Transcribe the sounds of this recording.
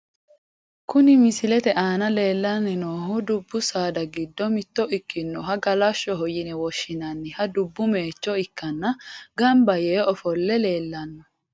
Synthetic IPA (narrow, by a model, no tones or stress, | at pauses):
kʊnɪmɪsɪlɛt̪ɛʔaːnɐle̞ːlːɐnːɪnoːɦʊd̪ʊbːʊsaːd̪ɐɡɪd̪ːɔmɪt̪ːɔʔɪkːɪnːɔɦɐɡɐlɐʃːɔɦɔjɪnɛwɔʃːɪnɐnːɪhɐd̪ʊbːʊmeːt͡ʃːɔɪkːɐnːɐɡɐmbɐjeːɔfɔlːɛle̞ːlːɐnːɐ